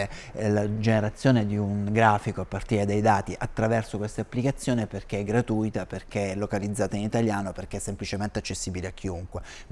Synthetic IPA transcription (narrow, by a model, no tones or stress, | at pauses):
lad͡ʒeneɾat̪sːjoːned̪iuŋɡɾaːfikoapːart̪iːɾed̪ajd̪aːt̪iʔat̪ːɾavɛrsokwest̪aapːlikat̪sːjoːneperk̟eɛɡːɾat̪ujt̪aperk̟eɛlːokalid̪zːaːt̪ainit̪aljaːnoperkeɛsːemplit͡ʃement̪eat͡ʃːesːiːbileak̟ːiuŋkwe